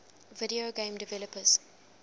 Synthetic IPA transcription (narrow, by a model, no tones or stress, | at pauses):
vɪɾioɡẽːmdɪvɛləpʰəz̥